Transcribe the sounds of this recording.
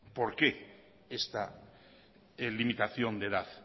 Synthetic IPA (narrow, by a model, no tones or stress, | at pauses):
po̞ɾke | est̪a | limit̪aθjond̪eðaθ